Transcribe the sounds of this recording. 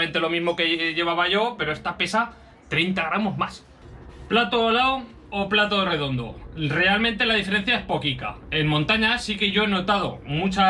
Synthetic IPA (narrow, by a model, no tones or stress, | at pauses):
ent̪e̞lo̞mizmo̞ke̞ʝe̞β̞aβaʝo̞pe̞ɾo̞e̞st̪ape̞sa | t̪ɾe̞jnt̪aɣɾamo̞zmas | plat̪oːlaw | oplat̪oðere̞ðo̞nd̪o̞̰re̞almẽnt̪e̞laðife̞ɾe̞n̟θjae̞spo̞kika̰e̞nmõnt̪aɲasike̞ʝo̞e̞no̞t̪að̞o̞̰mũt͡ʃa